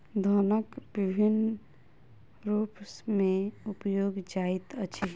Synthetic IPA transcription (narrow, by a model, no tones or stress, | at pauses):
d̪ʱɔnəkbibʱin | ɾuːpsmẽupjoːɡd͡ʒait̪ət͡ʃʰi